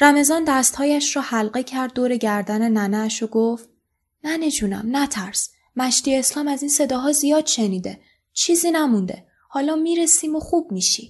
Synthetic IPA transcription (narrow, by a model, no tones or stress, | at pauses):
ɾæme̞zɒːnd̪æst̪hɒːjæʃrɔːhælɢe̞cʰæɾd̪̚ːoːɾe̞ɟæɾd̪æne̞nænæʃoɡoft̪ | næne̞d͡ʒuːnæ̰mnæt̪ʰæɾs | mæʃt̪ijeːslɒːmæziːnse̞d̪ɒːɦɒːzijɒːd̪̥ʃe̞niːd̪e̞ | t͡ʃʰiːziːnæmund̪e̞̰ | hɒːlɒːmiːɾesiːmoxuːb̥̚miːʃḭ